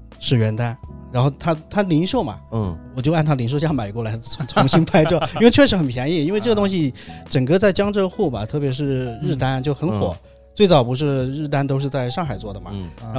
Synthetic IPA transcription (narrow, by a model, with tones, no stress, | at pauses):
ʂɻ̩˥˩ɥɛ˧˥nt̪a˥nɻa˧˥nxo˥˩ʊt̪ʰa˥t̪ʰa˥li˧˥ŋʂo˥˩ʊmɐ̰˨˩wɔ˨˩t͡ɕja˥˩nt̪ʰa˥li˧˥nʂo˥˧ʊɕjɑ˥˩ma˨˩ɪkwɔ˥˩la˧˥ɪ˥ʊ˧˥t͡sʰʊ˧˥ŋɕi˥npʰa˥˧ɪʈ͡ʂji˥we˥˧ɪt͡ɕʰɥɛ˥˧ʂɻ̩˧˥xə˨˩npʰjɛ˧˥ni˥˩i˥nwe˥˧ʈ͡ʂɤ˥˩ə˩t̪̬ʊ˥ŋɕ̬i˧˨ʈ͡ʂə˨˩ŋkɤ˥˧t͡sa˥˩ɪt͡ɕjɑ˥ŋʈ͡ʂɤ˥˧xu˥˩bɐ˩t̪ʰɤ˥˩pjɛ˧˥ʂ̬ɻ̩˥˧ɻɻ̩˥˩t̪a˥nt͡ɕjo˥˩ʊxə˧˥nxwɔ̰˨˩˦ | t͡swe˥˩ɪt͡sɑ˨˩ʊpu˧˥ʂ̬ɻ̩˥˧ɻɻ̩˥˩t̪a˥nt̪o˥ʊʂ̬ɻ̩˥˧t͡sa˥˧ɪʂɑ˥˩ŋxa˨˩ɪt͡swɔ˥˩d̪ə˩mɐ̰˩ɻa˥